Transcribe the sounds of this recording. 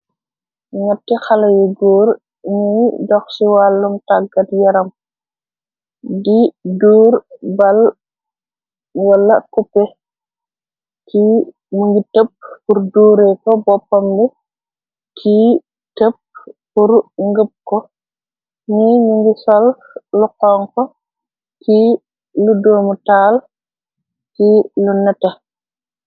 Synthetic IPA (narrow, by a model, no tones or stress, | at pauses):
ɲɔtːixɐlɐjiɡuːɾ | ɲidɔxsiwaːlːumtaɡɐtjɐɾɐm | diduːrbɐl | wɐlːɐkupːɛ | kʰi | muŋɡitəp̚ːurduːɾɛkɔbɔpːɔmbi | kʰi | təp̚puɾŋɡəp̚kɔ | niɲuŋɡisɔl | lukɔŋkɔ | kʰi | ludoːmutaːl | kilunɛta